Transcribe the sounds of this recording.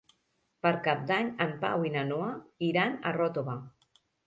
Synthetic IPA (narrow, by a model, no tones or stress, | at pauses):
pəɾkap̚d̪aɲəmpa̰winanoaiɾanə̰rɔt̪oβa